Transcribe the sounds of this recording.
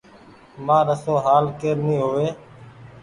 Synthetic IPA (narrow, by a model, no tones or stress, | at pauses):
mãːɾəsõːɦaːlkeːɾnĩːɦoːʋeː